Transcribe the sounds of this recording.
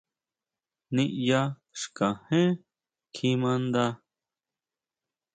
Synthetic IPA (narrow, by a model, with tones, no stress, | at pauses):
nĩ˧ʔja˦ | ʂka˨hẽ˦ | kʰi˧mã˧nd̪a˦